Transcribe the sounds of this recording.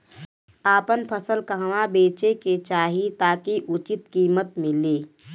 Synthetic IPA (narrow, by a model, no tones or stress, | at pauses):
aːpənpʰəsəlkəɦʋãbeːt͡ʃeket͡ʃaːɦit̪aːkiʔʊt͡ʃɪt̪kiːmət̪mẽleː